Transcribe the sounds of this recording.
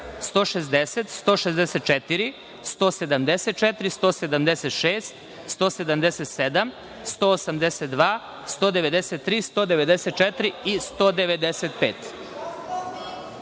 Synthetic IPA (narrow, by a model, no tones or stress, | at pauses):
st̪o̞ːʃezd̪eset̪st̪o̞ːʃezd̪eset̪̚t͡ʃɛt̪iɾi | st̪oːse̞d̪amd̪eset̪̚t͡ʃɛt̪ɾist̪oːsed̪amd̪eset̪ʃeːst̪ | st̪oːse̞d̪amd̪eset̪sed̪am | st̪oːosamd̪eset̪̚d̪ʋaː | st̪o̞ːd̪eʋe̞d̪eset̪ːɾiːst̪oːd̪eʋe̞d̪eset̪̚t͡ʃɛt̪ɾiist̪od̪eʋe̞d̪eset̪peːt̪